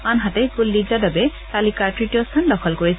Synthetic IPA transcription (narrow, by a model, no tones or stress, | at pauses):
anɦatɛɡulːizadabɛtalikaɹtɹitijɔstʰandɔkʰɔlkoɹis